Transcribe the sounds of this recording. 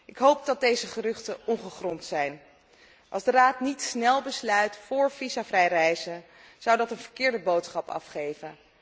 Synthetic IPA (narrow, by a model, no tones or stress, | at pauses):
ʔɪkɦowp̚dɑt̚dejzəχərɵχtəʔɔŋχəχrɔntsɛjn | ʔɑ̰lˠzdəraːtnitsnɛlˠbəslœɥtfʊːɹv̥izavrɛjrɛjzən | z̥ɑwdɑtənvəɹkɪːɹdəbowtsχɑpɑ̰fχejvən